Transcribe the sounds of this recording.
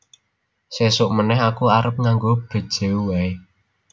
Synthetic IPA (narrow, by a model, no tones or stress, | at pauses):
sesʊʔmənɛɦakuaɾəp̚ŋaŋɡob̥ə̤d̥ʒ̥e̤uwae